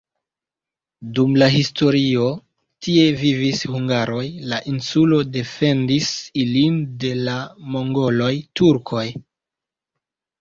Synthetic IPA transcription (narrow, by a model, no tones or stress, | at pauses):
dumlaɦisto̞ɾio̞ | tie̞vivishuŋɡaɾo̞jlaʔinsulo̞de̞fe̞ndisilinde̞lamo̞ŋɡo̞lo̞jtuɾkʰo̞j